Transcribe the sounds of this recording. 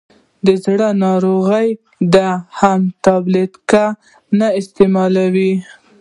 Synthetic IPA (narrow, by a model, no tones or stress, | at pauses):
d̪əzɽənɑɾoɣəj | d̪əhamt̪ablit̪ka | naɪst̪emɑlawi